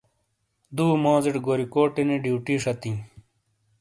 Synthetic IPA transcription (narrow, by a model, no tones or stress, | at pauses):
d̪uːmõːzeʈɡoːɾikoːʈeneɖiːʈiʂɐt̪ĩː